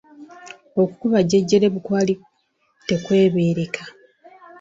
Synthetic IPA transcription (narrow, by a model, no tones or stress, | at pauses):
o̞ku̥kuβaɟeɟːe̞ɾe̞βukwaːli | te̞kwe̞ːβe̞ːɾe̞kʰḁ